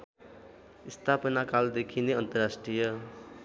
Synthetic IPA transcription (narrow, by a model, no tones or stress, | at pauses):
ist̪ʰapʌnakald̪ekʰineʌnt̪ʌɾasʈrijʌ